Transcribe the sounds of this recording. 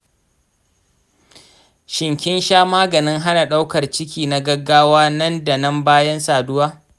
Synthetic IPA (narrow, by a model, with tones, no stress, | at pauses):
ʃɪ˨ŋkʲɪ˦nʃaː˦maː˦ɡɐ˨nɪ˦ŋɦa˦na˨ɗa˦wkɐ˨rt͡ʃɪ˦kʲiː˨na˦ɡɐ˦ɡːaː˦waː˦nɐ˦nda˨nɐ˦mbaː˦jɐ˦nsaː˨dʊ˦waː˦